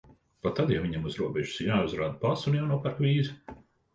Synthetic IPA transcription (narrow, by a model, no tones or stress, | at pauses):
pat̪ːad̪javiɲamuzɾuɔbʲɛʒ̥siɾjaːuzɾaːd̪pasunjaːwnuɔpaɾkvʲiːzi